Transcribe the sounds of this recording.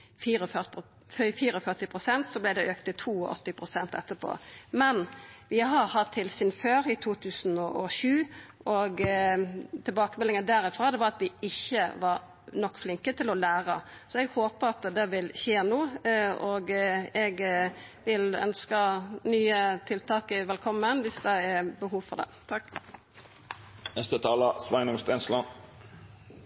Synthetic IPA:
fiːɾɔf | fiːɾɔfœʁt̪ɪpʰɾʊsɛnt̪sɔblæɪd̪ɛʔøːk̚t̪ɪt̪ʰuːɔʔɔ̰t̪ːɪpʰɾʊsɛnt̪ɛ̰t̪ːəpʰo̰ːmɛnʋɪɦɑɾhɑt̪ʰːɪlsyːnføːɾɪt̪ʰuːt̪ʰʉːsnɔʔɔʃʉːʔɔɡ | t̪ʰɪlbɑːkəmɛlɪŋənd̪æɾɪfɾɑːd̪ɛʋɑɑt̪ʋɪɪçːəʋɑɾ | nɔkːflɪŋkət̪ʰɪlɔlæːɾə̰ | sɔɛɡhoːpəɾɑt̪d̪ɛʋɪlçeːnuːɔɡɛɡʋɪlœ̰nskənyːət̪ʰɪlt̪ʰɑːkəʋɛlkʰɔmːənʋɪsd̪ɛɛɾbəɦuːʋfɔʁd̪ɛ̰t̪ʰɑkː | nɛst̪ət̪ʰɑːləsʋæɪnʊmst̪ɛnslɑn

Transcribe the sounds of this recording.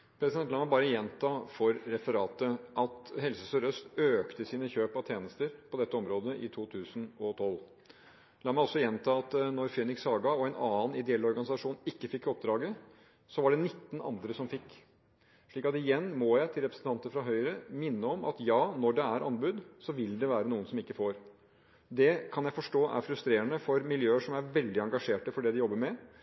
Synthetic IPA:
pʰɾɛsɪd̪ɛnlɑːmæbɑːɾəjɛnt̪ʰɑːfɔɾːɛfəɾɑːt̪əʔɑt̪hɛlsəsɔɾœst̪øːkt̪əsiːnəçøːpɑʋt̪ʰjeːnəst̪əɾpʰɔd̪ɛt̪ːəɔmɾoːd̪əʔɪt̪ʰuːt̪ʰʉːsənɔt̪ʰɔl | lɑːmæɪɔsːɔjɛnt̪ʰɑːɑt̪nɔɾfeːnɪksɑːɡɑɔɛɪnɑːənɪd̪ɛɛlɔɾɡɑnɪsɑʂuːnɪkːəfɪkːɔp̚d̪ɾɑːɡə | sɔʋɑɖɛnɪt̪ːənɑ̰nd̪ɾəsɔmfɪkː | ʂɭiːkɑt̪ɪjɛnːmɔjæɪt̪ʰɪlɾɛpɾəsn̩t̪ʰɑnt̪əfɾɑɦœʏɾəmɪnːəɔmɑ̰t̪jɑːnɔɖɛæɾʔɑnbʉd̪sɔʋɪld̪ɛʋæːɾənuːənsɔmɪkːəfoːɾ | d̪ɛkʰɑnjæɪfɔʂʈoːʔæ̰ɾfɾʉst̪ɾeːɾənəfɔɾmɪljøːəʂɔmæɾʋɛld̪ɪɑŋɡɑʂeːʈəfɔɖɛd̪ɪjɔbːəɾmɛ

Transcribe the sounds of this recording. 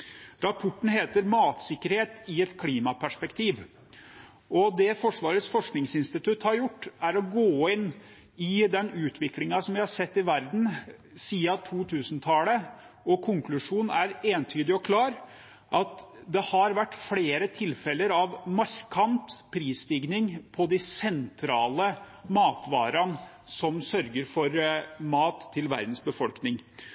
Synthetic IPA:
ɾɑpʰʊʈːn̩ɦeːt̪əɾmɑːt̪sɪkːəɾheːt̪ɪɛt̪kʰliːmɑpʰæʂpɛkt̪ʰiːʋ | ɔd̪ɛfɔʂʋɑːɾət̪sfɔʂknɪŋsɪnst̪ɪt̪ʉt̪hɑɾjʊʈːæɾɔɡoːɪnː | ɪd̪ɛnʉːt̪ʰʋɪklɪŋɑsɔmʋɪhɑɾsɛt̪ːɪʋæɾd̪n̩ | siːɑt̪ʰuːt̪ʰʉːsnt̪ʰɑːlə | ɔkʰʊŋklʉʂuːnæɾeːnt̪ʰyːd̪ɪɔkʰlɑːɾ | ʔɑt̪d̪ɛhɑɾʋæʈːfleːɾət̪ʰɪlːfɛlːəɾɑʋmɑɾkʰɑnt̪pʰɾiːsd̪iːɡnɪŋpʰɔd̪ɪsɛnt̪ʰɾɑːlə | mɑːt̪ʋɑːɾɑn | sɔmsœɾɡəɾfɔɾmɑːt̪ʰːɪlʋæ̰ɾd̪n̩sbəfɔlknɪŋ

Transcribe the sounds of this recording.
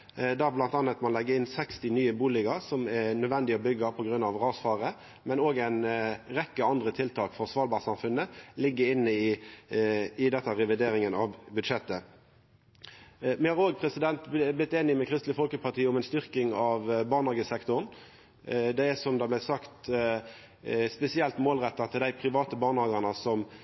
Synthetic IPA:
d̪æːblɑnt̪ɑnːət̪mɑnlɛɡːəɾɪnsɛkst̪ɪnyːəbuːlɪɡəʁsɔmɛnœd̪ʋɛnd̪ɪɔbʏɡːɑpʰɔɡɾʉnːɑʋʁɑːsfɑːʁə | mɛnoːɡæɪnʁɛkːəɑnd̪ʁət̪ʰɪlt̪ʰɑːkfɔʁsʋɑːlbɑːʁsɑmfʉnːəlɪɡːəɪnːəɪ | ɪd̪ɛt̪ːɑɾɛʋɪd̪eːɾɪŋənɑʋbʉd̪ʂɛt̪ːə | mɛhɑːʁɾoːɡ̚pʰʁɛsɪd̪ɛnt̪blɪt̪ːeːnɪmɛkʰʁɪst̪lɪfɔlkəpʰɑʁt̪ʰiːəʊmɛɪnst̪ʏʁkɪŋɑʋbɑːʁnhɑːɡəsɛkt̪ʊʁn | d̪ɛɛsɔmd̪ɑːblæɪsɑkt̪ | spɛsɪɛlt̪moːlʁɛt̪ːɑt̪ʰɪld̪æɪpʰɾɪʋɑːt̪əbɑːʁnhɑːɡəʁnəsɔm

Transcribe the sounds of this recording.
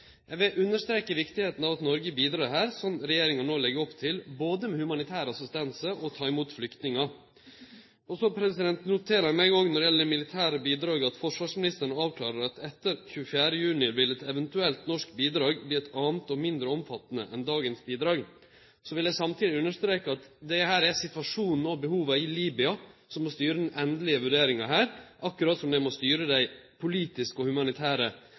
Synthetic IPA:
jɛʋɪlʔʉnːəʂt̪ɾeːkəʋɪkt̪ɪheːt̪n̩ɑʋɑt̪nɔɾɡəbiːd̪ɾɑːɾɦæːɾsɔmɾɛjeːɾɪŋɑnoːlɛɡəɔpt̪ʰɪlboːd̪əmɛhʉmɑnɪt̪ʰæːɾəɑsɪst̪ɛnsəʔɔt̪ʰɑːɪmuːt̪flʏkt̪nɪŋɑ | ɔsɔpʰɾɛsɪd̪ɛnt̪nʊt̪ʰeːɾəmɛɪɡɔɡnɔɾɪjɛləd̪ɛmɪlɪt̪ʰæːɾəbiːd̪ɾɑːɡəɑt̪fɔʂʋɑːʂmɪnɪst̪əɳəɑːʋkʰlɑ̰ːɾəɾɑt̪ɛt̪ːəɾçʉːəfjæːɾəjʉːnɪʋɪlɛt̪ɛʋənt̪ʉɛlt̪nɔʂkbiːd̪ɾɑːɡbliːɛt̪ʰɑːnət̪ɔmɪnd̪ɾəɔmfɑt̪ːnə̰ʔɛnd̪ɑːɡənsbiːd̪ɾɑːɡ | sɔʋɪlæɪsɑmt̪ʰiːd̪ɪʉnːəʂt̪ɾeːkəɑt̪d̪ɛhæːɾæsɪt̪ʋɑʂuːnn̩ɔbəhuːʋəɪliːbɪɑsɔmɔst̪yːɾəd̪ɛnʔɛnd̪lɪəʋʉɖeːɾɪŋɑɦæːɾʔɑkːʉɾɑt̪sɔmd̪ɛmɔst̪yːɾəd̪æɪpʰʊliːt̪ɪskɔhʉmɑnɪt̪ʰæːɾə

